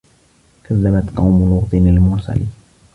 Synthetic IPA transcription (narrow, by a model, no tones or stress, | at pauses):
kʰaðːamat̪qɑwmʊlʊɣt̪ˤɨnalmʊɾsa̰li